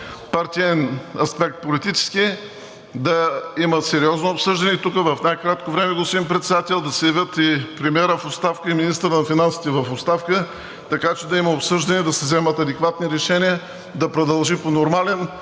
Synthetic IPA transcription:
paɾt̪ʲiɛnɐspɛk̚t̪̚polit̪it͡ʃɛ̥ski | d̪ɐimət̪sɛɾiɔznoopsɤʒd̪ɐnɛit̪ukəvɐfnajkɾat̪kovɾɛmɛɡosimpɾɛt̪sɛd̪at̪ɛlˠd̪ɐsɛjɐvʲət̪ipɾɛmiɛɾəfot̪st̪afkəiminist̪əɾənɐfinansi̥t̪ɛvɐfot̪st̪afkə | t̪ɐkat͡ʃɛd̪ɐiməopsɤʒd̪ɐnʲɛd̪ɐsɛzɛmət̪ɐd̪ɛkvat̪niɾɛʃɛniə | d̪ɐpɾod̪ɐlˠʒiponoɾmalɛn

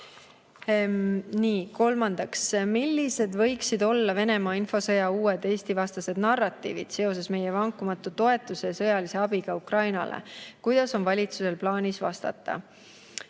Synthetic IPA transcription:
niːko̞lmɑnd̪̥ɑksmilːise̞d̪̥vɤ̞jksid̪o̞lːɑve̞ne̞mɑːinfo̞sɤ̞jɑuːed̪̥eːst̪ivɑst̪ɑse̞d̪nɑrːɑt̪ːˑḭːvḭd̪̥se̞o̞s̬e̞sme̞jevɑŋkːˑumɑt̪ːˑut̪o̞e̞t̪ːˑuse̞sɤ̞jɑlise̞ɑb̥iɡ̥ɑukrɑjnɑ̰lḛkujd̪̥ɑso̞nvɑlʲit̪suse̞lplɑːnʲisvɑ̰st̪ɑ̰t̪ːˑɑ̰

